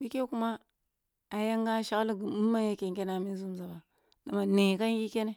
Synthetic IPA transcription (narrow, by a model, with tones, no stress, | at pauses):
bi˦ke˦ku˦ma˦ | a˨ja˦ŋɡa˦ʃa˨ɣli˦ɡi˨mu˦mː˦a˦ja˦ke˨ŋ˨ke˦na˨mi˦zu˦m˨za˨ba˨ | da˨ma˨ne˨ka˦ŋ˦ji˦ke˦ne˦